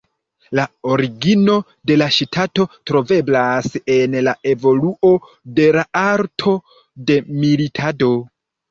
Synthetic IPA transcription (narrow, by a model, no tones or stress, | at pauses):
laoɾiɡino̞ | de̞laʃtʰato̞tɾo̞ve̞blase̞nlae̞vo̞luʔo̞ | de̞laaɾtʰo̞ | de̞militʰado̞